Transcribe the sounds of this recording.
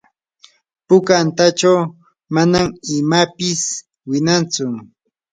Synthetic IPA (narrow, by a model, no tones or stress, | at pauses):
pʊkant̪at͡ʃaw | manamɪmapɪs | wɪnant͡sʊ